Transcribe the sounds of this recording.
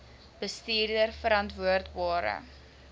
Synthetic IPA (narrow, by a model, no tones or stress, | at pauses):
b̥əstiːrdərfəɾɐntvuərtbɑːɾə̰